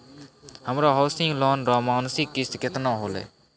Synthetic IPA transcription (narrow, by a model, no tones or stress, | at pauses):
hɐmɾaɦɔsĩŋlɔːnɾɔːmaːnsikːiskɛt̪naɦolɛ̰